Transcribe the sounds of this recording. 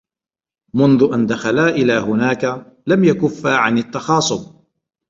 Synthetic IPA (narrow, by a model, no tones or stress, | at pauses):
mʊnðʊʔand̪axalaːʔɪlaːhʊnaːka | lamjakʊfːaːʕanɪt̪ːɑxɑːsˤʊb